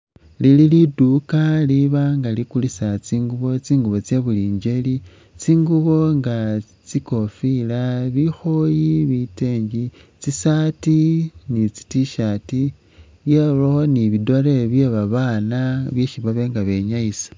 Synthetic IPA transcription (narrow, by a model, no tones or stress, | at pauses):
lililidukaliβaŋɡalikulisat͡siːŋɡuβo̞t͡siːŋɡuβo̞t͡sjeβuliːɲɟe̞li | t͡siːŋɡuβo̞ŋɡa | t͡siko̞filaβixo̞jiβite̞ːɲɟi | t͡sisatinit͡si̥tiʃati | jeβoniβido̞ɾeβjeβaβaːnaβjeʃiβaβe̞ŋɡaβe̞ɲaisḁ